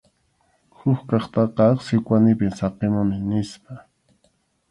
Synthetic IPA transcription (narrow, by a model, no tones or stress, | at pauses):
xʊxkɑχt̪ɑqɑɑχsɪkʷanɪpɪmsɑqemʊmɪnɪspa